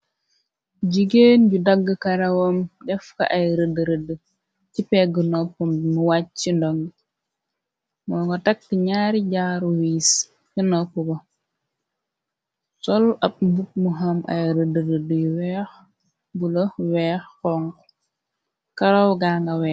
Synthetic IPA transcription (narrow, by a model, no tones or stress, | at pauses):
ɟiɡenɟudɐɡːəkɐɾawomdɛfkɐ̰ʔajɾədəɾədə | t͡ʃipɛɡənopːummuwat͡ʃindoŋɡ | mɔŋɡotak̚tiɲaːɾiɟaːɾuwiːs | kənopːubo | sɔlɐp̚mbuk̚muɦamʔa̰jɾədəɾədjwɛx | bulowɛːxɔŋk | kaɾowɡaːŋɡawɛː